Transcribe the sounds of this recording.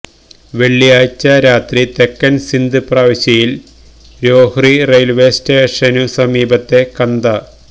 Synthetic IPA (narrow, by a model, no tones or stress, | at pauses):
ʋe̞ɭːijaːjt͡ɕːɐɾaːt̪rit̪e̞kːɐnsind̪ɨpraːʋɐɕjɐjil | ɾo̞ːhrirejlʋeːsteːʂɐnusɐmiːbɐt̪ːe̞kɐnd̪ɐ